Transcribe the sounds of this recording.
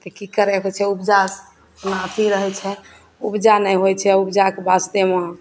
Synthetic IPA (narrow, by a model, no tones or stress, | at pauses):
t̪ekikəɾɛɦot͡ʃʰɛubd͡ʒas | onaət̪ʰiɾəɦɛt͡ʃʰɛ | ubd͡ʒanɛjɦojt͡ʃʰɛubd͡ʒakebast̪emã